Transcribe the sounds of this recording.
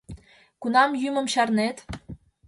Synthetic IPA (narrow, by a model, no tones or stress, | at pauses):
kunɑmjymə̆mɕɑrnet̪